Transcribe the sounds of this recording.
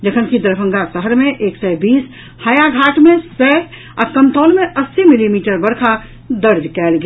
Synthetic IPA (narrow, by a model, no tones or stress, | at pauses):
d͡ʒəkʰənkid̪əɾbʰʱə̃ŋɡasəɦəɾmẽʔeːksɛbiːs | haːjaɡʱaːʈmẽsɛ | ɔkəmt̪ɔːlmẽʔəsːimilimiːʈəɾbəɾkʰa | d̪əɾd͡ʒkɛːlɡ